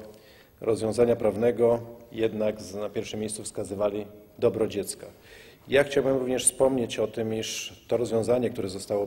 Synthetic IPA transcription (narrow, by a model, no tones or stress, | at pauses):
ɾʔɔzvʲjɔ̃w̃zaɲapɾavnɛɡɔjɛd̪naɡznapʲjɛɾfʂɘmʲjejst̪sufskazɘvalʲid̪ɔbɾɔd͡ʑɛt̪ska | jaxt͡ɕawbɘmɾuvɲɛʂfspɔmɲet͡ɕɔt̪ɘmiʂt̪ɔɾɔzvʲjɔ̃w̃zaɲɛkt̪uɾɛzɔst̪awɔ